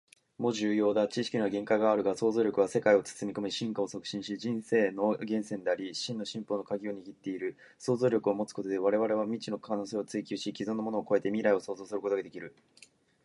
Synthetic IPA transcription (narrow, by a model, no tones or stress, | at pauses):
mo̞ʑɨːjo̞ːd̪at͡ɕiɕi̥kʲinaɡẽ̞ŋkaiɡaːɾɯ̟ɡaso̞ːzo̞ːɾʲo̞kɯ̟βase̞kaio̞t͡sɨ̥sɨmʲiko̞mʲiɕĩŋkao̞so̞kɯ̟̥ɕĩɕid͡ʑĩɰ̃se̞ːno̞ɡẽ̞ɰ̃sẽ̞nd̪eaɾʲiɕĩnːo̞ɕĩmpo̞ːno̞kaɡʲio̞ɲ̟iɡʲit̪ːe̞iɾɯ̟ | so̞ːzo̞ːɾʲo̞kɯ̟o̞mo̞t͡sɨ̥ko̞t̪o̞d̪e̞β̞aɾe̞βaɾe̞β̞amʲit͡ɕino̞kʰanose̞ːot͡sɨikʲɨːɕikʲizõnːo̞mo̞no̞ːkoe̞t̪e̞mʲiɾaio̞so̞ːzo̞ːsɨɾɯ̟ko̞t̪oɡad̪e̞kʲiɾɯ̟